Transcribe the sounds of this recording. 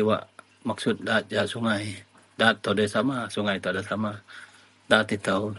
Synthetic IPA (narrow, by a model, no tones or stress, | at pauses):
iwa̰ʔ | maksut̪̚daːt̪̚d͡ʒaʔsuŋaj | daːt̪ːowdasamasuŋajt̪owdasama | daːt̪it̪əw